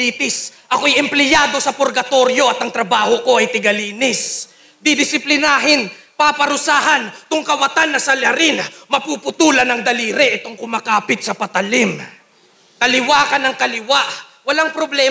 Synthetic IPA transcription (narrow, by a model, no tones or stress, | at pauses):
iːt̪ɪsʔɐkoɐjɛmplɪjaːd̪o̞sɐpoɾɡɐt̪o̞ɾjo̞ʔɐt̪ɐŋt̪ɾɐbaːho̞ko̞ʔɐjt̪ɪɡɐliːnɪs | d̪ɪd̪ɪsɪplɪnaːɦɪnpapɐɾʊsaːɦɐnt̪ʊŋkɐwɐt̪anːɐsɐlɐɾɪnɐmɐpupʊt̪uːlɐnɐŋd̪ɐliːɾɛʔɪt̪o̞ŋkʊmaːkaːpɪt̪̚sɐpɐt̪ɐlɪm | kɐlɪwaːkɐnɐŋkɐlɪwaʔ | wɐlaŋpɾoblɛ